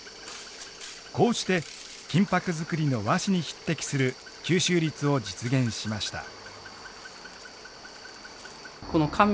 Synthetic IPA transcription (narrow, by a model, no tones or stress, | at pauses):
ko̞ːɕi̥t̪e̞ | kʲĩmpakɯ̟zɨkɯ̟ɾʲino̞βaɕiɲ̟içi̥t̪ːe̞kʲi̥sɨɾɯ̟ | kʲɨːɕɨːɾʲit͡sɨo̞d͡ʑit͡sɨɡẽ̞ɰ̃ɕimaɕi̥t̪a̰ | konokʰamʲ